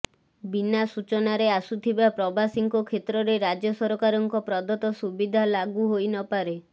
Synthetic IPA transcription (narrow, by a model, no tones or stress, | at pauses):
binasut͡ʃɔnaɾeasut̪ʰibapɾɔbasiŋkɔkʰet̪ɾɔɾeɾad͡ʒɔsɔɾɔkaɾɔŋkɔpɾɔd̪ɔt̪ɔsubid̪ʱalaɡuɦojnɔpaɾe